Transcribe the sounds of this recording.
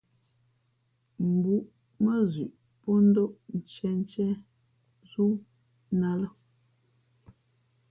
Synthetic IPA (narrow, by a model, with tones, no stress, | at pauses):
m̩˨bu˨ʔ | mə˦zʉ˨ʔ | pɔ˦n̩˦do˦ʔn̩˨t͡ʃɛ˨n˦t͡ʃɛ˦ | zu˦ | na˦lə˦